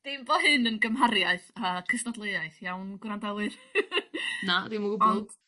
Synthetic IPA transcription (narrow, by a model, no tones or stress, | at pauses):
d̥embɔhɨnənɡəmɦaɾjaɨθakʰəsnɔdlˠeɨaɨθjawnɡwɾandɛlˠɨ | nademəɡubɔɡ